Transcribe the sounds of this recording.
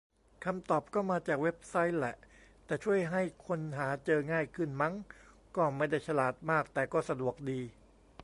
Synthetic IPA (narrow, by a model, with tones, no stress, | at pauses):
kʰa˧mt̪ɔː˨˩p̚kɔː˥˩maː˧t͡ɕaː˨˩k̚we˦˥p̚sa˦˥jlɛ˨˩ʔt̪ɛː˨˩t͡ɕʰu˥˩əjɦa˥˩jkʰo˧nɦaː˩˦t͡ɕɤː˧ŋaː˥˩jkʰɯ˥˩nma˦˥ŋ | kɔː˥˩ma˥˩jda˥˩jt͡ɕʰa˧laː˨˩t̪̚maː˥˩k̚t̪ɛː˨˩kɔː˥˩sa˧du˨˩ək̚diː˧